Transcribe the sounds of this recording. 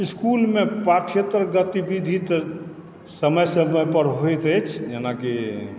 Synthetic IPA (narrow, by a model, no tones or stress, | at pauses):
iskulmepɾaʈʰiet̪ɾɡət̪ibid̪ʱit̪ | səməjsəməjpəɾɦojt̪ət͡ʃʰd͡ʒenaki